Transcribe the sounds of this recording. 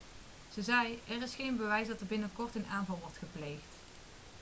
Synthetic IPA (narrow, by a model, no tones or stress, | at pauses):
z̥əzɛjɛrɪsχejnbəʋɛjsdɑtəɹbɪnəkɔɹtənaːnvɑlˠʋɔɹtχəplejχt